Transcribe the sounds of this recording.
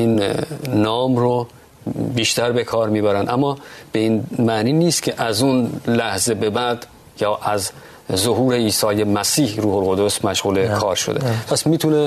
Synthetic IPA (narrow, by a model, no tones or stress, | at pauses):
iːnː | ɒːmɾo | biːʃt̪æɾbe̞kʰɒːɾmiːbæɾænd̪ʔæmːɒːb̥e̞iːnmæniːniːst̪cʰe̞ʔæzunlæhze̞be̞bæd̪ | jɒːʔæz | zoɦuːɾe̞iːsɒːjemæsiːhɾuːholɣo̞d̪o̞smæʃɣuːle̞kʰɒːɾʃod̪e̞̰pʰæsmiːt̪ʰune